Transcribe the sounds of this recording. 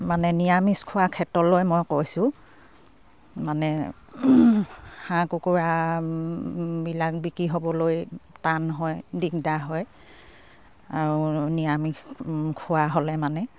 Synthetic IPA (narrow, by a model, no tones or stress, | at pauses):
manɛnijamiskʰʊwakʰɛtɔlojmojkojsʊ̃ | manɛ | hãkukuɹa | bilak̚bikɹiɦobɔlojtanɦɔjdikdaɦɔj | aɹunijamiskʰʊwaɦolɛmanɛ